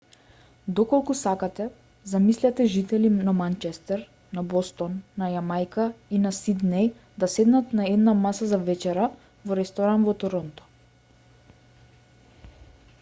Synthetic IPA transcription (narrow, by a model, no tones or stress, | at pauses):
d̪ɔkɔlˠkusakat̪ɛ | zamislʲat̪ɛʒit̪ɛlinamant͡ʃɛst̪ɛɾ | nabɔst̪ɔnːajamajkainasid̪nɛj | d̪asɛd̪nat̪naɛd̪namasazavɛt͡ʃɛɾa | vɔɾɛst̪ɔɾanvɔt̪ɔɾɔnt̪ɔ̥